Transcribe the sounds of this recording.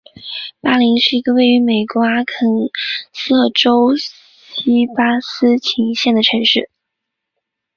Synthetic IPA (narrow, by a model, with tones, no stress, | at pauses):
pa˥li˧˥ŋʂɻ̩˥˩i˧˥ɡə˧we˥˩ɪy˧˥me˨˩ɪkwa˧˥kʰɤ˨˩ŋsɤ˥˩ʈ͡ʂo˥ʊ | ɕi˥pa˥sɹ̩˥t͡ɕʰi˧˥ŋɕjɛ˥˩nd̪ə˩ʈ͡ʂʰɤ˧˥ŋʂɻ̩˥˩